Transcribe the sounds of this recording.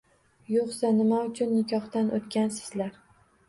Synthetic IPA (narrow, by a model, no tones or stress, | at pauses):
joqsanɪmaʊt͡ʃʰʊnːɪkʲʰɒχt̪anʔot̪kʲansɪ̥zlaɾ